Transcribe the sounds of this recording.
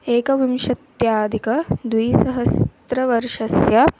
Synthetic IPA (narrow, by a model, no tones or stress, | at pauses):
eːkɐʋimʃɐt̪jaːd̪ʱikɐd̪wijsɐɦɐst̪ɾɐʋɐɾʂɐsja